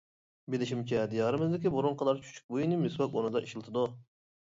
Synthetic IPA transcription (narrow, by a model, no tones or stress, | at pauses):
bɪlɪʃimt͡ʃʰɛd̪ijɑːɾɨmɨzd̪ɪkʲiboɾuŋqʰɑd̪ɑɾt͡ʃʰy̥t͡ʃʰy̥k̚ʲbojinɨmɪswɑkonɨd̪ɑʔiʃilˠɨt̪ʰɨd̪u